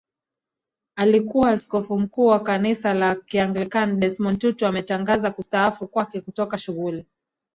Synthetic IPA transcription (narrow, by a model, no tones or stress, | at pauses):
alikuwaːskɔfum̩kuːwakanisalakiaŋɡlikandɛsmɔntutuamɛtaŋɡazakustaafukwakɛkutɔkaʃuɣuli